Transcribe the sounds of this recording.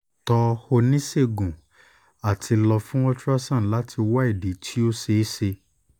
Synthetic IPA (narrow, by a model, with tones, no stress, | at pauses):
tɔ˧ho˧nĩ˦se˦˨ɡũ˨ | a˨tʰi˧lɔ˧fũ˦wɔ˦tɾa˦sã˦˨la˨˦tʰi˧wa˦i˦˨di˨˦tʰi˦o˦se˧˦se˧